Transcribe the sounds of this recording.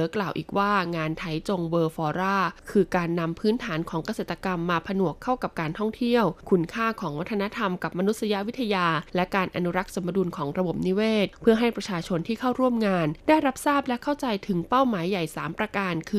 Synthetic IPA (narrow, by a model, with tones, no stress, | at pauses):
klaː˨˩wʔiː˨˩k̚waː˥˩ŋaː˧nt̪ʰa˦˥jt͡ɕo˧ŋwɤː˧fɔː˧ɾaː˥˩kʰɯː˧kaː˧nːa˧mpʰɯː˦˥nt̪ʰaː˩˦nkʰɔː˩˦ŋka˧seː˨˩t̪ːa˧ka˧mːaː˧pʰa˧nu˨˩əkʰːa˥˩wka˨˩p̚kaː˧nt̪ʰɔ˥˩ŋt̪ʰi˥˩əwkʰu˧nkʰaː˥˩kʰɔː˩˦ŋwa˦˥t̪ʰːa˧na˦˥t̪ʰa˧mka˨˩p̚ma˧nu˦˥t̪̚sa˧ja˦˥ʔwi˦˥t̪ʰːa˧jaː˧lɛ˦˥kaː˧nʔa˧nu˦˥ɾa˦˥k̚sa˧mːa˧duː˧nkʰɔː˩˦ŋɾa˧bo˨˩p̚ni˦˥weː˥˩t̪̚pʰɯ˥˩ɐɦa˥˩jpɾa˧t͡ɕʰaː˧t͡ɕʰo˧nt̪ʰiː˥˩kʰa˥˩wɾu˥˩əmŋaː˧ndaː˥˩jɾa˦˥p̚saː˥˩p̚lɛ˦˥kʰa˥˩wt͡ɕa˧jt̪ʰɯ˩˦ŋpa˥˩wmaː˩˦jːa˨˩jsaː˩˦mpɾa˧kaː˧nkʰɯː˧